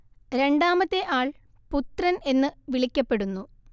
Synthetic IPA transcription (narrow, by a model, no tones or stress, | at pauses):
ɾe̞ɳɖaːmɐt̪ːe̞ʔaːɭ | put̪rɐne̞nːɨʋiɭikʲːɐpːe̞ɽunːu